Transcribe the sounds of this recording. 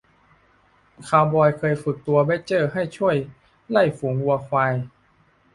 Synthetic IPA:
kʰaː˧wbɔː˧jkʰɤː˧jfɯ˨˩k̚t̪u˧ɐbe˦˧˥t͡ɕɤː˥˩ɦa˥˩jt͡ɕʰu˥˩əj | la˥˩jfuː˩˦ŋwu˧ɐkʰwa˧j

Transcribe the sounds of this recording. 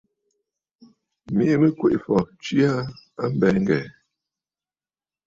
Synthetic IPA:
mi˦ʔmə˦kwe˨ʔfɔ˨t͡ʃi˦a˦a˦m̩˦bɛ˨˦ŋ̩˦ɡɛ̰˨

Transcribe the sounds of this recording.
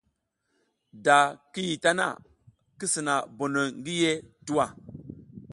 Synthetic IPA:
da˨ki˦ji˨ta˦na̰˦˨ | ki˦si˨na˨bo˨no˨ŋɡi˦je˦tu˦wa˨

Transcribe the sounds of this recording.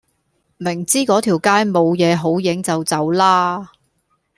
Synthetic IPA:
mɪ˨˩ŋt͡siː˥kɔː˨˥t̪ʰiː˨˩wkaː˥jmo˨˧wjɛː˨˧ɦo˨˥wjɪ˨˥ŋt͡sɐ˨wt͡sɐ˨˥wlaː˥

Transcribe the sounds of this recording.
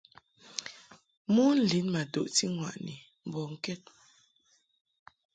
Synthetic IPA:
mu˦n̩˦li˨˦nma˨do̰˨ʔti˦ŋwa̰˨ʔni˨ | m̩˨bɔ˨ŋ̩˦kɛ˦˨t̚

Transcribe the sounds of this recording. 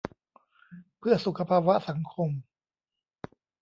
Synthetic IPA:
pʰɯ˥˩ɐsu˨˩kːa˧pʰaː˧wa˦˥ʔsa˩˦ŋkʰo˧m

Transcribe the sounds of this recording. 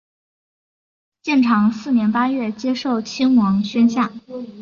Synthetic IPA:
ɕjɛ˥˩nʈ͡ʂʰɑ˧˥ŋsɹ̩˥˩njɛ˧˥npa˥ɥɛ˥˩t͡ɕjɛ˥ʂo˥˩ʊt͡ɕʰi˥ŋwɑ˧˥ŋɕɥɛ˥nɕja˥˩

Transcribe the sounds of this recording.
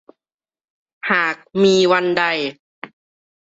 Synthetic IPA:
haː˨˩k̚miː˧wa˧nda˧˩j

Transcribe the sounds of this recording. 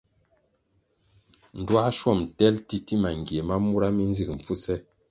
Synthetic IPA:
n̩˨dwa˦ʃwɔ˦˨mtɛ˦lti˦ti˦ma˨ŋ˨ɡje˨ma˦mu˦ɾa˦mi˦n̩˦zi˨k̚m̩˨fu˦sɛ˦

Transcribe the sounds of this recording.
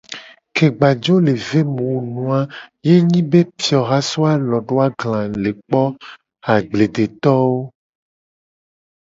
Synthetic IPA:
ke˨ɡ͡ba˨d͡ʒo˦le˨ve˦mũ˨wnũ˦a˦je˦ɲĩ˦be˦pi˨ɔ˨ɣa˦so˦a˦lɔ˨ɖo˦a˦ɡlã˨le˨k͡pɔ˦ | a˨ɡ͡ble˨de˨t̪ɔ˦wo˦

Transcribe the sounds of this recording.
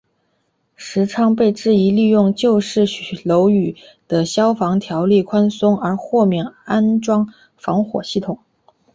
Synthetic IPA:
ʂɻ̩˧˥ʈ͡ʂʰɑ˥ŋpe˥˧ɪʈ͡ʂɻ̩˥˩i˧˥li˥˧jʊ˥˧ŋt͡ɕjo˥˧ʊʂɻ̩˥˩ɕlo˧˥ʊy˨˩ | d̪̥ə˦ɕjɑ˥ʊfɑ˧˥ŋt̪ʰjɑ˧˥ʊli˥˩kʰwa˥nsʊ˥ŋə˞˧˥xwɔ˥˧mjɛ˥˩ŋa˥nʈ͡ʂwɑ˥ŋ | fɑ˧˥ŋxwɔ̰˨˩ɕi˥˩t̪ʰʊ˨˩˦ŋ

